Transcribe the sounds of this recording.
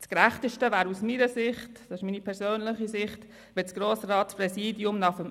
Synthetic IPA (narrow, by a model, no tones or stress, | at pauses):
skɾæχtəʃtəvæːɾusmiɾəsɪχtd̥ɑsɪʃmiːnipʰɛɾsøːnləχisɪχt | ʋɪt͡sɡ̥ɾoːsɾɑːtspɾɛsiːdiʊmnɑχəm